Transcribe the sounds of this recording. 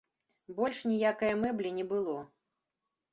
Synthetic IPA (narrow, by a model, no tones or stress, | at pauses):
bɔlʲʂnʲijakɐjɐmɛblʲinʲɛbɨlˠɔ